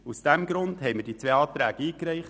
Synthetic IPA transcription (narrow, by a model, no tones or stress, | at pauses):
usd̥æmɡɾʊndɦɛɪməɾd̥iːt͡sʋeːɑːt̪ɾæːɡ̥əiːkɾɛɪχ